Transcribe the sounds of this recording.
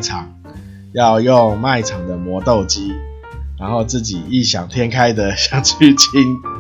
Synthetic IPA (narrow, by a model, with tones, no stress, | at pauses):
ʈ͡ʂʰɑ˨˩ŋ | jɑ˥˧ʊjo˥˧ŋma˥˩ɪʈ͡ʂʰɑ˨˩ŋd̪ə˩mwɔ˧˦t̪o˥˩ʊt͡ɕi˦ | ɻa˧˦nxo˥˧ʊt͡sɹ̩˥˩t͡ɕi˨˩i˥˩ɕjɑ˨˩ŋt̪ʰjɛ˥˦nkʰa˦ɪd̪ə˨ɕjɑ˨˩ŋt͡ɕʰy˥˨t͡ɕʰi˦n